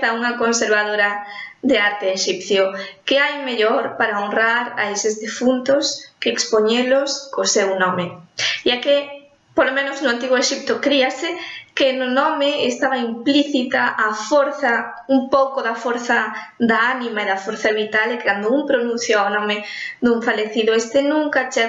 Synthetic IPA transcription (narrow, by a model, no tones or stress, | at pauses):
θauŋakonseɾβað̞oɾɐðeaɾt̪eːʃipθjokeajmeʎoɾpaɾaonraɾa̰esezðifunt̪oskeːkspoɲeloskosewnɔmeiake | polomẽnoznʊant̪iɣoeʃip̚t̪ʊkɾiasekenonɔmeest̪aβaimpliθit̪aʔafoɾθa | umpowkoðafoɾθa | ðaanĩmaeðafoɾθaβit̪alekeɣand̪ouŋpɾonũn̟θjaonɔmed̪uɱfaleθiðoest̪enũŋkat͡ʃa